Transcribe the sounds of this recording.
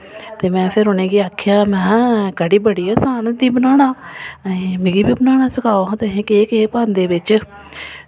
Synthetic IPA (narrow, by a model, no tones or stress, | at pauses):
t̪eːmɛ̃ːpʰɪɾɦoːneːɡiːaːkʰːjaːmɛ̃ːkəɽiːbəɽiːɛːsaːnd̪iːbənaːñaː | mɪɡiːbiːbənaːɽ̃aːsəkʰaːoãːt̪eɦẽːkeːkeːpãːnd̪eːbɪt͡ʃ